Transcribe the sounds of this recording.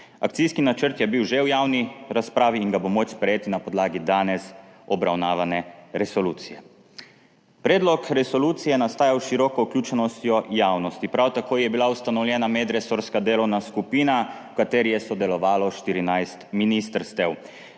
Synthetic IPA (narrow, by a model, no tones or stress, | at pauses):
ak̚t̪sijskinat͡ʃəɾt̪jɛbiwʒewjawniɾaspɾaːʋiːŋɡabomot͡ʃspɾɛjeːt̪inapɔd̪laːɡid̪aːnɛsɔbɾawnaːʋanɛɾɛsɔluːt̪sijɛ | pɾɛːd̪lɔkɾɛsɔluːt̪sijɛnast̪aːjawʃiɾɔːkɔuklʲuːt͡ʃɛnɔst̪jɔjaːwnɔst̪ipɾawt̪akoːjɛbilaust̪anɔwljɛːnamɛd̪ɾɛsoɾskad̪eːlɔwnaskupiːnawkat̪eːɾijɛsɔd̪ɛlɔʋaːlɔʃt̪iɾinajst̪minist̪əɾst̪ɛw